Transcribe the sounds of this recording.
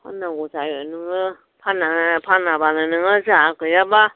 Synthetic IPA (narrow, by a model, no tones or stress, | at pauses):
pʰa̰nãɡuzajɔnɯŋɯ | pʰanapʰanabananɯŋɯzakɯjaba